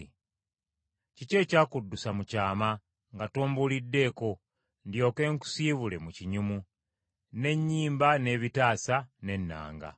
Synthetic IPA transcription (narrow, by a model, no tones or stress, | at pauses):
cice̞ːcaːkudːusamucaːma | ŋɡatoːmbulidːe̞ːko̞ | ndjo̞ːke̞ːŋku̥siːβule̞muciɲumu | ne̞ɲːiːmbane̞ːβitaːsane̞nːa̰ːŋɡa̰